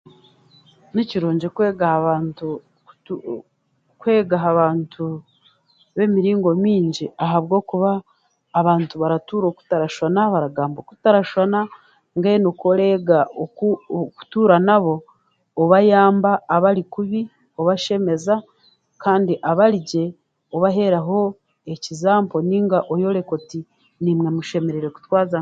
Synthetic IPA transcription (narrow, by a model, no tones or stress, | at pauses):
niciɾoːɲɟekweːɡahaβaːntu̥ | kwe̞ːɡaɦaβaːntʰu | βe̞miɾiːŋɡo̞miːɲɟiaɦaβɡo̞ːkuβaː | βaːntuβaɾatuːɾoːku̥taɾaʃanaβaɾaɡaːmboku̥taɾaʃwana | ŋɡaenokoɾeːɡaouku̥tuːɾanaβo̞ː | βajaːmbaːβaɾikuβi | oβaʃe̞me̞za | kaːndiʔaβaɾiɟe̞ | oβaɦe̞ɾaɦo̞ | e̞cizaːmpo̞niːŋɡaʔojo̞ɾe̞ko̞ti | nimŋe̞muʃe̞me̞ɾeɾeku̥twaːza